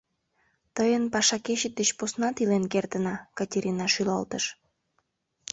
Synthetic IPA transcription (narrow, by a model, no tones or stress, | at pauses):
t̪əjənpɑʃɑkeʃət̪̚d̪et͡ɕposnɑt̪ilenkert̪ənɑkɑtʲeɾʲʔinɑʃylɑlt̪əʃ